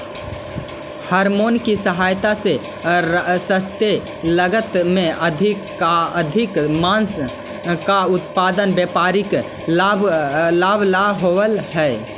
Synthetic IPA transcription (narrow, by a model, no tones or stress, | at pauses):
həɾmonkisəɦajt̪ase | səst̪e | ləɡət̪meəd̪ʱi | əd̪ʱikmans | kaut̪pad̪ənbjepaɾik | lablabʱlaɦowəlɦɛe